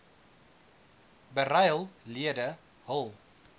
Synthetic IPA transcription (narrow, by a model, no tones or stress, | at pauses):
bəɾajlˠliədə | hɔlˠ